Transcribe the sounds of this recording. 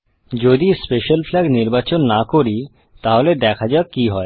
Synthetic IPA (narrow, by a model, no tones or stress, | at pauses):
d͡ʑod̪ispeʃalflɛɡniɾbat͡ɕonːakoɾi | t̪aɦoled̪ɛkʰad͡ʑaekiɦɔe